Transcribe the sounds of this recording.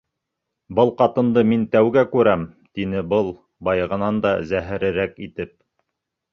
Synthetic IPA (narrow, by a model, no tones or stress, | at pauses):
bɤlˠqɑt̪ɤ̆nd̪ɤmint̪æwɡækʉɾæmt̪inɘbɤlˠ | bɑjɤ̆ʁɤ̆nɑnd̪ɑzæɦɘ̆ɾɘ̆ɾækit̪ɘp̚